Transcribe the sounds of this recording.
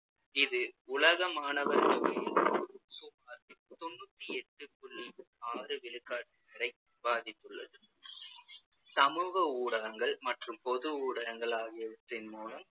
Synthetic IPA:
ɪðɯʊlɐɣɐmaːnɐʋɐɾt̪ʊʋeːnsʊmaːɾt̪ɔnːut̪ːiɛʈːɯkʊɭːi | aːrɯʋɪlɯkːaːʈːɯkɐɾɐɪ | baːðɪt̪ːɯɭːɐðɯ | sɐmuːɣɐuːɽɐɣɐŋɡɐɭmɐʈrɯmpɔðɯuːɽɐɣɐŋɡɐɭaːɣɪjɐʋɯt̪ːɪnmuːlɐm

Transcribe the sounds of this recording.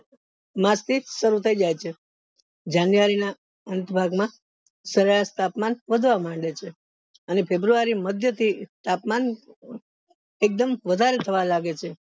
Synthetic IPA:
mast̪ʰiʃəɾut̪ʰəid͡ʒajt͡ʃʰe | d͡ʒanjəʋaɾina | ənt̪əbʱaɡmã | səɾeɭast̪apmanʋəd̪ʱʋamãɳɖet͡ʃʰe | ənefʰebɾuʋaɾiməd̪ʱjət̪ʰit̪apman | ek̚d̪əmʋəd̪ʱaɾet̪ʰəʋalaɡet͡ʃʰe

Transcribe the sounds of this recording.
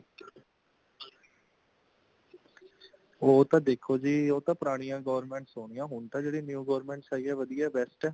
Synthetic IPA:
oːt̪ãːd̪eːkʰoːd͡ʒiːoːt̪ãːpəɾaːɽ̃ijãːɡɔːʋəɾmɛ̃ːɳʈsoːɽ̃ijãːɦʊɳt̪ãːd͡ʒeːɽiːnjuːɡɔːɾmɛ̃ːɳʈsaːiːɛːʋəd̪ijɛːbɛːsʈɛː

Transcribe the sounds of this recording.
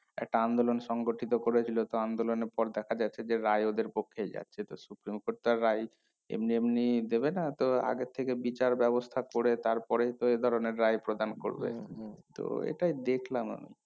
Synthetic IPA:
ɛ̰k̚ʈaand̪olonʃɔŋɡoʈʰit̪okoɾet͡ɕʰilot̪oand̪oloneɾpɔɾd̪ɛkʰad͡ʑaːed͡ʑeɾajod̪eɾpokʰːed͡ʑa̰tːɕʰet̪osupɾimkoʈ̚t̪aɾːaj | ḛmniemnid̪ebenat̪oa̰ɡet̪ʰːekebit͡ɕaɾbɛbost̪ʰakoɾet̪aɾpɔɾejt̪oed̪ʱɔɾoneɾːajpɾod̪anko̰ɾbḛt̪o̰ḛʈajd̪ekʰlama̰mḭ

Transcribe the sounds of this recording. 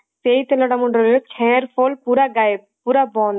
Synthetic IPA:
sejt̪elɔɽamuɳɖɾɔlot͡ʃʰɛɾfʰolpuɾaɡajb | puɾabɔn

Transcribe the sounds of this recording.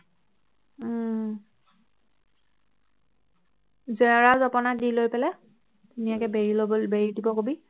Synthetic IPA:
zɛɔɹazɔpɔnadilojpɛlɛ | tunijakɛbeɹilobbeɹidibɔkobi

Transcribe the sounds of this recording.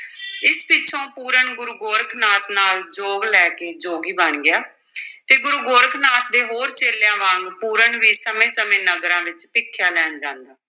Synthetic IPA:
ɪspɪtːʃʰõːpuːɾəɳɡʊɾuːɡoːɾkʰnaːt̪naːld͡ʒoːɡlɛːkeːd͡ʒoːɡiːbənɡɪaː | t̪eːɡʊɾuːɡoːɾkʰnaːt̪̚d̪eːɦoːɾt͡ʃeːljãːʋãːŋɡpuːɾəɳʋiːsəmẽːsəmẽːnəɡɾãːʋɪt͡ʃpɪkʰːjaːlɛːnd͡ʒãːnd̪aː

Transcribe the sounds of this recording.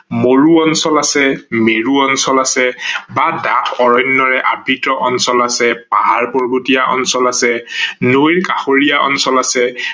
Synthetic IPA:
moɹuɔnsɔlasɛmeɹuɔnsɔlasɛbadatʰɔɹɔjnːɔɹɛʔabʱitɔʔɔnsɔlasɛpaɦaɹpoɹbutijaʔɔ̰nsɔlasɛnojɹkaxoɹijaʔɔ̰nsɔlasɛ

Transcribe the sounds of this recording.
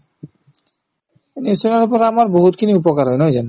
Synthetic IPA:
enisonaɾupoɾamaɾboɦut̪kʰiniupokaɾɦɔjnojd͡ʑan

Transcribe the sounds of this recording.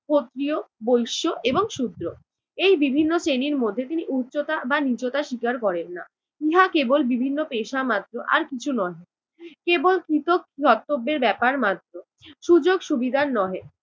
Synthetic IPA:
kot̪ːɾiobojʃoʔeboŋʃud̪ɾo | ejbibʱinːot͡ɕeniɾmod̪ʱːet̪iniʔutːɕot̪abanid͡ʑot̪aʃikaɾkɔɾenːa | iɦakebolbibʱinːopeʃamat̪ːɾoʔa̰ɾkit͡ɕʰunɔe | kebolkɾit̪okːiɦɔt̪ːobːeɾbɛpaɾmat̪ːɾo | ʃud͡ʑoɡʃubid̪ʱannɔe

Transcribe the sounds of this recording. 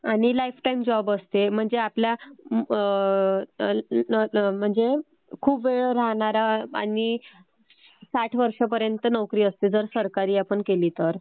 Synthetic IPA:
aɽ̃ilajfʰʈajimd͡ʑɔbəst̪em̤əɳd͡zeaplja | m̤əɳd͡ze | kʰuːpʋeɭɾaɦɳ̃aɾaa̰ɽi | saʈʰʋəɾʂəpəɾjənt̪ənəwkɾiːəst̪ed͡zəɾsəɾkaɾiːapəɳkeliːt̪əɾ

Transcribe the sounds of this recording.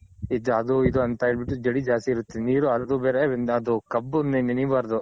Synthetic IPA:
id̪ɐd̪uid̪uɐnt̪ɐeɭbiʈːud͡ʒɐɽid͡ʒaːst̪iːɾut̪ːeniːɾuɐd̪ubeːɾenɐd̪ukɐbːunininibaɾd̪u

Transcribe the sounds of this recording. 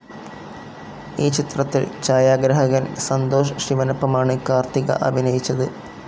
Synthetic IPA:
iːt͡ɕit̪rɐt̪ːilt͡ɕaːjaːɡɾɐɦɐɣɐnsɐnd̪o̞ːʂɐʂiʋɐnɐpːɐmaːɳɨkaːrt̪iɣɐ̰ʔɐbʱinɐjit͡ɕːɐðɨ

